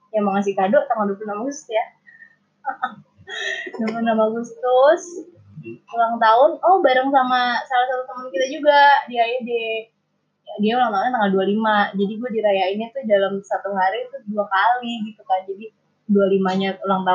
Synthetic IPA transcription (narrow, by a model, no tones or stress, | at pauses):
jamaŋas̬ɪkadɔʔt̪aŋaldupunamaɡust̪uja | dopunamaɡust̪ʊs | ulaŋt̪aʊnɔhbaɾaŋsamasalasat̪ut̪amʊnkit̪ad͡ʒuɡadiajadɛ | jadiaulaŋt̪aunɲat̪aŋaldualimad͡ʒadiɡuadiɾajainit̪ʊdalamsat̪uɦaɾit̪ʊduakaliɡik̪ut̪and͡ʒadi | dualimaɲaulaŋt̪a